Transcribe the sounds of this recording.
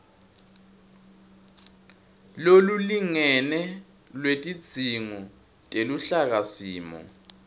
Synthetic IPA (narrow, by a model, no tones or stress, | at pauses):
loluliŋɛnɛ | lwetʼi̥d͡zʱiŋɔ | tʼeluɬak̬asiːmɔ̰